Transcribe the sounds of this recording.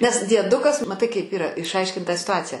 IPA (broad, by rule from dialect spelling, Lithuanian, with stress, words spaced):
nʲɛs dʲiɛˈdʊkɐs mɐˈtɐɪ kɐɪp ˈiːrɐ ɪʃˈɐɪʃʲkʲɪnt tɑː sʲɪtʊˈɑːt͡sʲɪjɛ